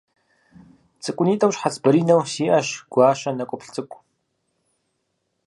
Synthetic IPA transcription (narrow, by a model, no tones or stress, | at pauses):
t͡sʼɨkʷʼʊniːtʼɐwɕħat͡sʰbɐɾiːnɐwsiːʔɐɕɡ̥ʷɑːʃɐnɐkʷʼʊpʰɬt͡sʼɨkʷʼ